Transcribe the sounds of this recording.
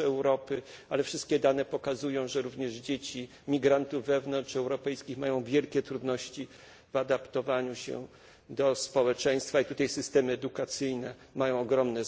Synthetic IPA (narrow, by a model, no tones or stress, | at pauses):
ɛwɾɔpɘalɛfʂɘst̪kʲɛd̪anɛpɔkazujɔ̃w̃ʐɛɾuvɲɛʐd͡ʑet͡ɕi | mʲiɡɾant̪uvːɛvnɔnt͡ʂɛwɾɔpɛjskʲixmajɔ̃w̃vʲjɛlkʲɛt̪ɾud̪nɔɕt͡ɕi | vad̪apt̪ɔvaɲuɕɛ̰ | d̪ɔspɔwɛt͡ʂɛj̃st̪fait̪ut̪ajsɘst̪ɛmɘɛd̪ukat̪sɘjnɛ | majɔ̃w̃ɔɡɾɔmnɛ